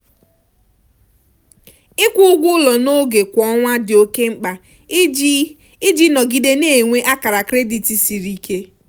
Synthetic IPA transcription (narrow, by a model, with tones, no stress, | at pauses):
ɪ˦kʷʊ˦ʊ˦ɡʷʊ˦lɔ˨no˦ɡe˨kʷɔ˦ŋʷa˦dɪ˨o˦ke˦ŋ͡m̩˦k͡pa˨ | ɪ˦d͡ʒi˦nɔ˨ɡi˨de˦ne˨e˨ŋʷe˦ʔa˦ka˨ɾa˨kɾe˦di˨ti˨si˨ɾi˦ke˦